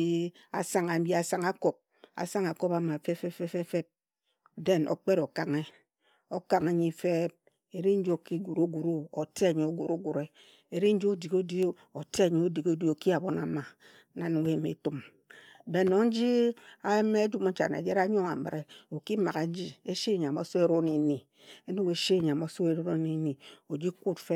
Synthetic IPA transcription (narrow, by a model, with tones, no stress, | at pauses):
i˦ | a̰˨sa˦ŋa˨˦bi˦a˨sa˦ŋa˦ko˨p̚ | a̰˨sa˦ŋa˨ko˦pa˨ma˨fe˦fe˦fe˦fe˦fe˦p̚ | de˦nʔo̰˨k͡pe˦ɾo˨ka˨ŋe˦ | o˦ka˨ŋa˨ɲi˦fe˦p̚ | e˨ɾi˦n̩˦d͡ʒo˦ki˦ɡu˨ɾo˦ɡu˨ɾu˦o˨te˦a˨ɲi˨o˦ɡu˨ɾo˦ɡu˨ɾe˦ | e˦ɾi˦n̩˦d͡ʒi˦o˦di˨ko˦di˦ | o˨te˦a˨ɲi˨o˦di˨ko˦di˦o˨ki˦a˨bo˦na˨˦ma˨˦ | na˦n˨e˦˨mḛ˨tu˦m˨ | be˨no˨n̩˦d͡ʒi˦a˦e˦me˦d͡ʒu˦mo˦n̩˦t͡ʃa̰˨na̰˨d͡ʒe˦ɾa˦ɲo˦ŋa̰˨mɨ̰˨ɾe˦o˨ki˦ma˨ɣa˨n̩˦d͡ʒi˦e˦ʃe˦˨ɲa˨mo˦so˦e˦ɾo˦ne˨ni˨ | e˦nu˦ke˦ʃe˦˨ɲa˨m˨o˨˦so˦e˨ɾo˦ɾo˦ne˨ni˨o˨d͡ʒi˦ku˦tfe˦